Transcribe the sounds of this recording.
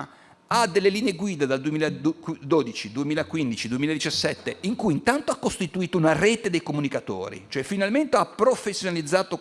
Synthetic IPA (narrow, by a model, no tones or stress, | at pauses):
ad̪ːelːeliːneeɡwiːd̪ad̪ald̪uemiːlad̪d̪oːd̪it͡ʃid̪uemiːlakwind̪it͡ʃid̪uemiːlad̪it͡ʃasːɛt̪ːeiŋkujint̪ant̪oakːost̪it̪uiːt̪ounareːt̪ed̪ejkomunikat̪o̰ːɾḭt͡ʃoɛfːinalment̪eapːɾofesːjonalid̪zːaːt̪o